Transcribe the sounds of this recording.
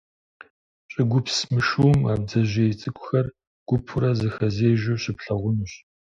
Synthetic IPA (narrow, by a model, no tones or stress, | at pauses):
ɕʼɪɡʷʊpsmɨʃumaːb̚d͡zɐʑeːjt͡sʼɨkʷʼʊxɐr | ɡ̥ʷʊpʰʊɾɐzɨxɐzeːʒoɕɪpɬɐʁʷʊnuɕ